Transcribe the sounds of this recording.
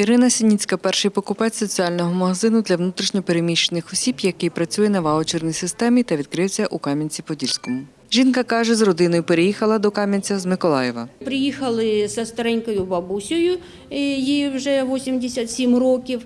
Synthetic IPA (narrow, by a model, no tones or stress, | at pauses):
iɾɪnɐsʲinʲit͡sʲkɐpɛrʃɪjpɔkʊpɛsɔt͡sʲiɑlʲnɔɦɔmɐɦɐzɪnʊd̪lʲɐʋnut̪ɾʲiʃnʲɔpeɾemʲiʃt͡ʃenɪxɔsʲibjɐkɪjpɾɐt͡sʲujɛnɐʋɑɔt͡ʃirnʲijsɪst̪ɛmʲit̪ɐʋʲid̪̚kɾɪwsʲɐʔukɑmʲɐnʲt͡sʲipɔdʲilʲsʲkɔmʊ | ʒʲinkɐkɑʒɛzrɔd̪ɪnɔjʊpeɾejixɐlˠɐd̪ɔkɑmʲɐnʲt͡sʲɐzmɪkɔlˠɑjɛʋɐ̰pɾʲɪjixɐlˠɪsɐst̪ɐɾɛnʲkɐjʊbɐbusʲʊjʊ | jijʊʐɛʋosʲɪmʲdʲɪsʲɐt̪sʲimʲrokʲɪf